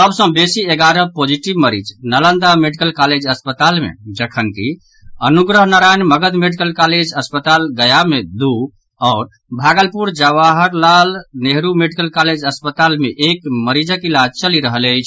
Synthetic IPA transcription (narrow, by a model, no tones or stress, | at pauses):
səbsə̃besieɡaɾəpod͡ʒiʈibməɾḭd͡ʒnələnd̪ameɖikəlkaled͡ʒəspət̪almḛd͡ʒəkʰənki | ənuɡɾəɦnaɾajnməɡəd̪meɖikəlkaled͡ʒəspət̪alɡəjamed̪u | ɔʊɾ | bʱaɡəlpuɾd͡ʒəʋaɦəɾlalneɦɾumeɖikəlkaled͡ʒəspət̪almeʔekməɾid͡ʒakilad͡ʒt͡ʃəliɾəɦələt͡ʃʰ